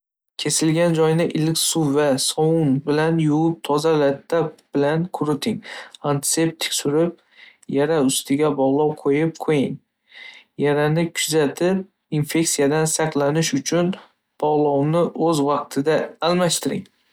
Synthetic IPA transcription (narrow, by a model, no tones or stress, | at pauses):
kʲʰe̞sɪlɡʲand͡ʒɒjnɪʔɪlkʲsʊvasɒwʊnbɪlanjʊʊp̚t̪ʰɒzalat̪ʰːap̚b̥ɪlankʰʊɾɪt̪ʰɪŋant̪ʰɪ̥se̞p̚t̪ʰɪ̥kʲsʊɾɪp̚ | jaɾaʊst̪ʰɪɡʲabɒʁlˠɒwqʰojɪp̚qʰojɪŋ | jaɾanɪkʰʊzat̪ʰɪp̚ | infe̞kʲsijad̪ansɑqlˠanɪʃʊt͡ʃʰʊn | b̥ɒʁlˠɒwnɪʔɵzvɑq̚t̪ʰɪd̪aːlmaʃt̪ʰɪɾɪ̰ŋ